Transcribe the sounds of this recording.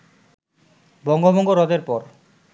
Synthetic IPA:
bɔŋɡobɔŋɡoɾɔd̪eɾpɔɾ

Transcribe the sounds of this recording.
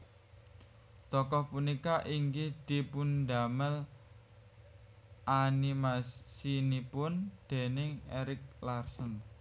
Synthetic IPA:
t̪ɔkɔhpunikaʔiŋɡid̪̥i̤pund̪a̤məl | ʔanimassinipʊnd̪̥e̤nɪŋeɾɪk̚larsən

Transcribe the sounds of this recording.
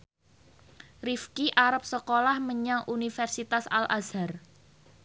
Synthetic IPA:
rifkiʔaɾap̚səkolahməɲaŋʔunifɛrsit̪asa̰lʔa̰zar

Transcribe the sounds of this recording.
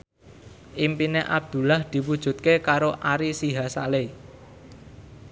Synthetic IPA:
ʔimpineʔab̚d̪̥ṳlahd̪̥i̤wud̥ʒ̥ṳt̪̚kekaɾoʔaɾisiɦasale

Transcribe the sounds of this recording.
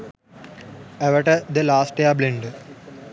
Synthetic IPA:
eʋəʈəd̪elaːsʈɖeablɪ̃ɳɖ

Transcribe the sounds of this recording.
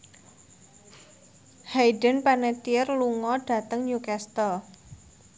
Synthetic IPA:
hajdə̤npanɛt̪irluŋɔɖ̥ä̤t̪əŋɲukast̪əl

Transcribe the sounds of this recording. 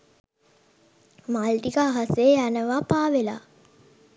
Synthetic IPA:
malʈikəaɦaseːjænəʋapaːʋela̰ː

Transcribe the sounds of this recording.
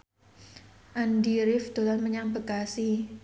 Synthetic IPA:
ʔand̪iɾɪfd̪̥o̤lanməɲaŋbə̤kasi

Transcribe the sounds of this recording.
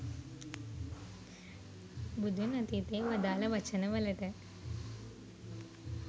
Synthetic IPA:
bud̪unɐt̪it̪eːʋɐd̪aːlɐʋɐt͡ʃːɐnɐʋɐlɐʈɐ

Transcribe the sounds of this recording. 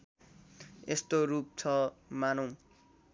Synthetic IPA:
est̪oɾup̚t͡sʰʌmanʌ̃w̃

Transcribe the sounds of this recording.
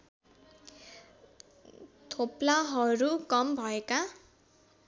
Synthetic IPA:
t̪ʰoplaɦʌɾukʌmbʱʌeka

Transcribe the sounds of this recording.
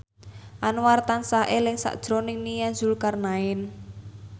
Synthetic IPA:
ʔanwart̪ansaʔelɪŋsa̰ʔd̥ʒ̥ɾonɪŋnijanzulkarnaɪn

